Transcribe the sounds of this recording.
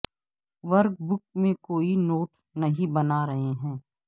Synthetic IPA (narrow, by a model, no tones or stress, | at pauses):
ʋɐɾk̚bʊk̚mẽkoːinoːʈ | nɐɦĩbɐnaɾɐɦeɦɛ̃ː